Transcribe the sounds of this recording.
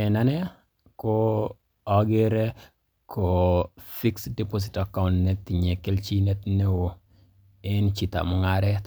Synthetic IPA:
ɛ˨na˦nɛ˦ | ko | ɔ˨ɡe˦ɾe˦ | ko˨fi˦ksdi˦po˦s̬i˨taka˦wntneti˨ɲe˨ke˦lt͡ʃi˦ne˦t̪ne˦wo˨ | e˦nt͡ʃi˨t̪a̰˨mɔ˨ŋaɾɛ˦

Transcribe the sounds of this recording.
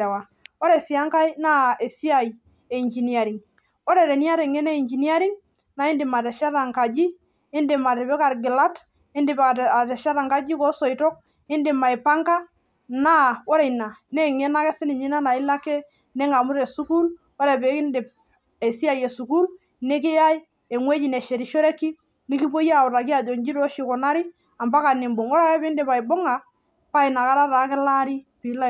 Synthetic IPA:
e˨wa˨ | ɔ˦ɾe˨si˨a˦ŋka˦i˦na˦e˨si˦a˨j | e˨i˨ɲd͡ʒi˨ni˨a˨ɾi˨ŋ | ɔ˦ɾe˨ɾe˨ni˦a˦ɾe˨ŋɛ˦ne˦i˨nd͡ʒi˨ni˦a˦ɾi˦ŋ | na˨˦ɪ˦ndɪ˨ma˨tɛ˨ʃa˦ɾa˨ŋka˨d͡ʒi˦ | ɪ˦ndɪ˨ma˨tɛ˨pɛ˦ka˨ɾɡɪ˨la˦t | ɪ˦ndɪ˨pa˨a˨tɛ˨ʃa˦ɾa˨ŋka˦d͡ʒi˦kɔ˦sɔ˨i˨tɔ˦k̚ | ɪ˦ndɪ˨ma˨e˨pa˦ŋka˦ | na˦ɔ˦ɾe˨jna˨ne˦˨ŋe˦na˦kɛ˦sɪ˦nɪ˨ɲi˦na˦na˨ɪ˦la˦kɛ˦ | nɛ˦ŋa˨mu˦ɾe˨su˦ku˦l | o˦ɾɛ˨pe˨˦kɪ˦ndɪ˨p̚ | e˨si˦a˨je˨su˨ku˦l | ne˦k̬ɪ˦ja˦i˦ | e˨ŋwe˦t͡ʃi˨ne˨ʃe˨ɾi˨ʃo˦ɾe˦ki˦ | ni˦ki˦po˦ja˨ʊ˨ɾa˨k̬i˦a˨d͡ʒo˨ɲd͡ʒi˦ɾo˦ʃi˨kɔ˨na˦ɾi˦ | a˨mba˦ka˨ni˨mbo˨ŋɔ˦ɾa˦kɛ˦pɪ˦ndɪ˦pa˨ɪ˨bo˦ŋa˨ | pa˦ɪ˨na˨ka˦ɾa˦ɾaː˨˦kɪ˦la˦ɾi˦pi˨˦la˦

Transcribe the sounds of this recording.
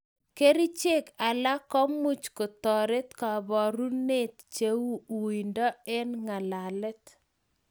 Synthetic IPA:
ke˦ɾi˦t͡ʃe˦ka˨la˦kɔ˦mu˦t͡ʃko˨tɔ˨ɾe˦tka˨bɔ˨ɾu˦ne˦˨t̚t͡ʃe˨˦wu˦u˨i˨ndɔ˦e˦nŋa˨la˨lɛ˦t

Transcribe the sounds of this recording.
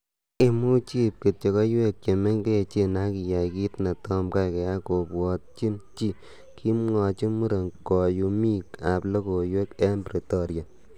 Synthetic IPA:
e˨mu˦t͡ʃi˦p̚ki˨t̚t͡ʃe˨kɔ˦jwe˦k̚t͡ʃe˨me˦ɲke˦e˨t͡ʃe˧˨na˦ki˨ja˨ki˦tna˨tɔ˦mka˦kɛ˨ja˦ko˨pwɔ˨t̚t͡ʃi˦nt͡ʃi˦ | kʰi˦mŋɔ˨t͡ʃi˦mu˦ɾe˨ŋkɔ˨ju˨mi˦ka˨plo˦ko˨jwe˦kɛ˦mbɾi˨tɔ˦ɾja˨

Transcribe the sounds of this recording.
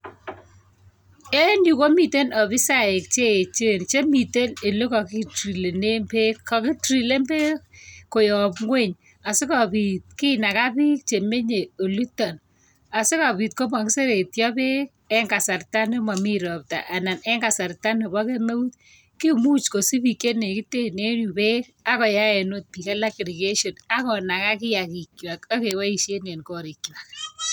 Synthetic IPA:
e˦nu˨ko˦mi˨te˦nɔ˨bi˦sa˦˨e˨k̚t͡ʃe˦˨t͡ʃe˦˨nt͡ʃe˦mi˨te˦nɪ˨lo˦kɔ˨ki˦tri˨le˨ne˦mpe˦kːa˨kɪ˦tɾi˨le˦mpe˦k̚kːo˨jɔ˨pŋwe˦˨ɲ | a˨sɪ˦ka˨pi˨t̚ki˦na˨ka˦pi˦k̚t͡ʃe˨me˦ɲe˨o˨lu˦tːɔ˨n | a˨sɪ˦ka˨pi˨tko˦ma˨ki˦se˦ɾe˨tjɔ˦pe˦k | ɛ˦ŋɡa˨sa˨rta˦ne˦ma˨mi˦ɾɔ˨p̚ta̰˨ʔa˨na˨nɛ˦ŋɡa˨sa˨ɾta˦ne˨bɔ˦ke˦me˦u˦t | ki˦mu˦t͡ʃko˨si˦bi˨ke˦ne˨ki˦te˦ne˦nu˨pe˦ka˦kɔ˨ja˦e˨no˦t̚pi˨ka˦la˦kɾi˨ɡe˦ʃo˨na˦kɔ˨na˨ka˦kɪ˦ja˨ki˨kwa˨ka˦ke˨wa˦i˨ʃje˦ne˨nkɔ˨ɾi˨kːi˨na˨k

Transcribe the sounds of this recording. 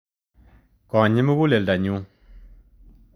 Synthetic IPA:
kã˨ɲi˦m˦wu˦le˨da˨ɲu˦

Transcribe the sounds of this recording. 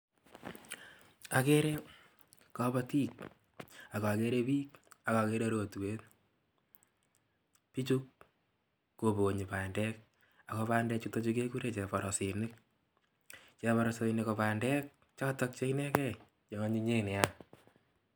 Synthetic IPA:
a˨ke˦ɾe˦ | kɔ˦ba˦ti˦k̚ | a˨ka˨ke˦ɾe˦piː˦ka˨ka˨ke˦ɾe˦ɾo˨tu˨we˦t | pi˦t͡ʃukː | o˨bo˨ɲi˨pa˨ndɛ˦k̚ | a˨kɔ˧paː˦ndɛ˦t͡ʃu˦to˦t͡ʃu˦k̬e˦ku˦ɾe˦˨t͡ʃɛ˨pɔ˨ɾɔ˨si˨nɪ˦k̚ | t͡ʃɛ˨βɔɾɔse˨nekɔ˨pa˨ndɛ˦k̚ | t͡ʃɔ˦tɔ˦k̚t͡ʃe˦inɛ˦kɛ˦ | ɲɔ˨˦ɲi˦ɲe˦nɛ˨a

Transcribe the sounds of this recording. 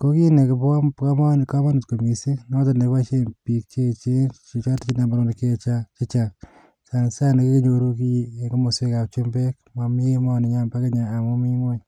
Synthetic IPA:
ko˦ki˦ne˨ke˨βa˦pka˦ma˦ni˨ka˦ma˦nu˨tko˨mi˨se˦no˦ta˨ne˨βa˦t͡ʃe˦mpi˨kt͡ʃe˦t͡ʃe˦t͡ʃe˨t͡ʃa˦ti˦t͡ʃi˦na˨mbaɾo˨ne˨ke˦˨t͡ʃa˦t͡ʃe˦t͡ʃa˨ | sa˨ne˨sa˦ne˨ke˦ke˦ɲo˦ɾu˦ki˦˨e˨ŋɡo˦mo˨se˦ka˨t͡ʃo˦mbe˦kma˨m˦e˦ma˦˨ni˨ɲa˦mba˦ke˦ɲaː˨mo˦mi˦mwe˦

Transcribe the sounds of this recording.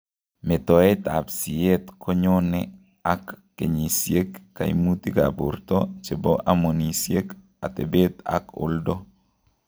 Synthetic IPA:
me˨t̪ɔ˨e˦t̪a˨bsi˨e˦t̪kʰɔ˦ɲɔnɛ | akː | ḛ˨ɲi˨sje˦kːa̰˨ḭ˦mut̪i˦ɡa̰˨bʊ̰˨rt̪ɔ˦t͡ʃe˨bɔ˦ʔamo˨ni˨sje˦k | a˨t̪ḛ˨be˦t̪a̰˦kʊ̰˦ldɔ˦

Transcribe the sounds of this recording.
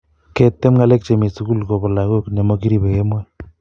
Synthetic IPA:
ke˦t̪ːe˦mŋa˦lɛ˦k̚t͡ʃe˨mi˨su˦ku˦lko˨bɔ˨la˨ko˦kne˨mo˦ki˦ɾi˦pe˨ke˦mwɔ˦

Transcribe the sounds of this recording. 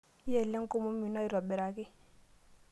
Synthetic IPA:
ɛ˦˨lɛ˦ŋ˦ko˦mo˦mi˨nɔ˦i˦ɾɔ˨ɓɛ˨ɾa˨kɪ˦

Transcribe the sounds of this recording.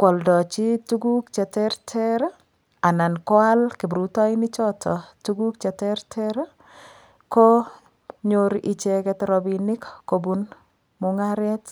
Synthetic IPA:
kwɔ˨ldɔ˨t͡ʃi˦tuɡu˦k̚t͡ʃɛ˨tɛ˦rtʰɛɾ | a˨na˨nkɔ˦a˦lki˨bɾu˦tɔ˦ɪnɪ˦t͡ʃɔ˦tʰɔtuɡu˦k̚t͡ʃɛ˨tɛɾtʰɛɾa | kɔ˦ | ɲoɾʔɪ˨t͡ʃɛkɛtɾɔbinɪ˦kːobun | mʊŋaɾɛt

